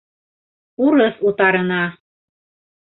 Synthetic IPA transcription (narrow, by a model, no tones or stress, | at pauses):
uɾɤsut̪ɑɾɤ̆nɑ